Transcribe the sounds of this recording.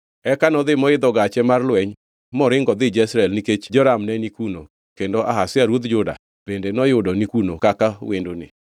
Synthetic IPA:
ɛkanɔd̪ɪmɔɪd̪ɔɡat͡ʃɛmarlwɛɲ | mɔɾɪŋɡɔd̪ɪd͡ʒɛsɾɛlniket͡ʃd͡ʒɔɾamnɛnikuno̰ | kendoʔaɦasɪaɾwod̪d͡ʒʊda̰ | b̥endenɔjʊdɔnikunokakawendonɪ̰

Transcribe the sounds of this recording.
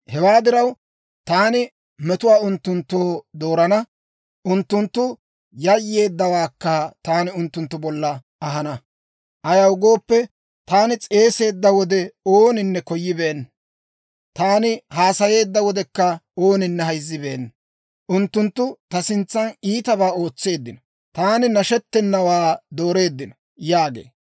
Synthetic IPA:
hɛwaːd̪ɪɾɐw | t̪aːnɪ | mɛt̪ʊwaːʊnt̪ːʊnt̪ːoːd̪o̞ːɾɐnɐ | ʔʊnt̪ːʊnt̪ːʊ | jɐjːe̞ːd̪ːɐwaːkːɐt̪aːnɪʊnt̪ːʊnt̪ːʊbɔlːɐ | ɐɦɐnɐ | ʔɐjɐwɡo̞ːpːɛ | t̪aːnɪt͡sʼe̞ːse̞ːd̪ːɐwɔd̪ɛoːnɪnːɛkɔjːɪbe̞ːn | t̪aːnɪhaːsɐje̞ːd̪ːɐwɔd̪ɛkːɐo̞ːnɪnːɛɦɐjzːɪbeːn | ʔʊnt̪ːʊnt̪ːʊt̪ɐsɪnt͡sːɐniːt̪ɐβaːo̞ːt͡sːe̞ːd̪ːɪnɔ̥ | t̪aːnɪnɐʃɛt̪ːɛnːɐwaːd̪o̞ːɾe̞ːd̪ːɪnɔ | jaːɡḛː

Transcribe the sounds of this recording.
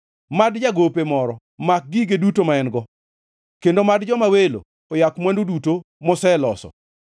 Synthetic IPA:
madd͡ʒaɡopemɔɾɔ | mak̚ɡiɡedutomaɛnɡɔ | kendomadd͡ʒɔmawelo̰ | ɔjakmwɛnduduto | mɔsɛlɔsɔ̰

